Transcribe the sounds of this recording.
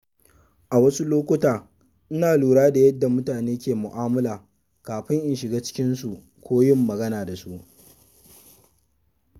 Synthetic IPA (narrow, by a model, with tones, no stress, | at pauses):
ʔa˨wɐ˦su˦loː˦kʷʊ˦taː˨ | ʔɪ˦naː˨luː˨ɽaː˦da˨jɐ˦dːa˨mʊ˦taː˨neː˦kʲeː˨mʊ˨ʔaː˦mɐ˦laː˨ | kaː˨ɸɪ˦ŋʔɪ˨nʃɪ˨ɡaː˦t͡ʃɪ̥˦kʲɪ˦nsu˨ | kʷoː˦jɪ˦˨mːɐ˨ɡɐ˦naː˨da˨su˦ʔ